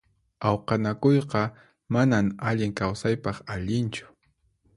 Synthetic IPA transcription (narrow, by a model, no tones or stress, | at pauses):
awqɑnakojqɑ | manaŋaʎɪŋkawsajpɑχaʎɪnt͡ʃʊ̥